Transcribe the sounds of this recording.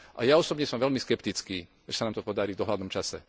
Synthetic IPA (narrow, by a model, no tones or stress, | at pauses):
ʔa̰jaɔsɔbɲɛsɔmʋɛʎmiskɛpt̪it͡skiː | ʒɛsanaːmt̪ɔpɔd̪aɾiːvd̪ɔɦlad̪nɔmt͡ʃasɛ